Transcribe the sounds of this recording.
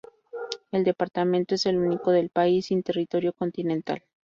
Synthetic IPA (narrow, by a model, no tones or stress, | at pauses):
e̞ld̪e̞paɾt̪ament̪o̞e̞se̞luniko̞ðe̞lpaisint̪e̞rit̪o̞ɾjo̞ko̞nt̪inẽ̞nt̪a̰l